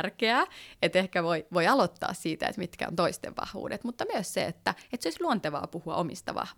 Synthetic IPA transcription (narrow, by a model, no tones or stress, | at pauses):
rkeæːet̪ehkæʋoiʋoiɑlot̪ːɑ̰ːssiːt̪æḛt̪mit̪kæ̰o̰nt̪oist̪ḛʋʋɑ̰hʋṵːdet̪mut̪ːɑmyøssḛet̪ːæet̪seoisʲluont̪eʋɑ̰ːpuhuɑ̰ʔomist̪ɑ̰ʋɑ̰hʋ